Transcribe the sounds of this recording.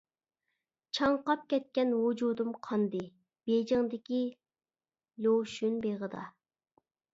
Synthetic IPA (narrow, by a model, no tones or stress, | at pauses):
t͡ʃʰɑŋqɑp̚kʲɛt̪̚kʲɛnwud͡ʒud̪umqʰɑnd̪ɨ | b̥ed͡ʒɪŋd̪ɪkʲi | loʃynbeʁəd̪ɑ̰